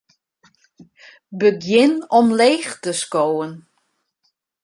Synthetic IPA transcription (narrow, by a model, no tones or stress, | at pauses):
bəɡjɪnɔmleːxtəskoːən